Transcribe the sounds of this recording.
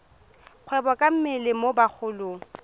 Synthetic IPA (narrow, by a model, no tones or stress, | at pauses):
q͡χʰwɛbɔkʼam̩mɪlɪmobak͡xʰʊːlʊ